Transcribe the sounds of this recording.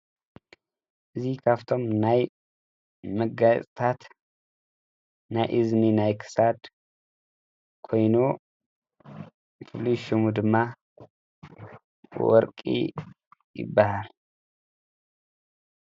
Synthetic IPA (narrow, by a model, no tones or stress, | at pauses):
ʔɨzikʰaft̪ʰo̞mnaj | məɡasʼt̪ʰat̪ | najʔɨzninajkʰɨ̥sad̪ | kʰo̞jnu | fʰuliʃimud̪ɨmːa | wɔ̰ɾkʼḭ | jɪ̰bːahal